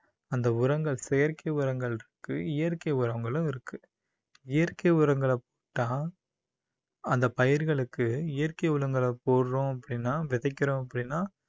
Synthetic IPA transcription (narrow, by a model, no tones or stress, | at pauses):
ɐnd̪ɐʊɾɐŋɡɐɭsɛjɐɾkɐɪʊɾɐŋɡɐɭɪɾɯkːɯɪjɐɾkɐɪʊɾɐɐŋɡɐɭɯ̃ɪɾɯkːɯ | ɪjɐɾkɐɪʊɾɐŋɡɐɭɐpoːʈːãː | ɐnd̪ɐpɐjɪɾɣɐɭɯkːɯɪjɐɾkɐɪʊlɐŋɡɐɭɐpoːɽɾõɐpːɐɽɪnːaːʋɪðɐɪkʲːɪɾõːɐpːɐɽɪnːaː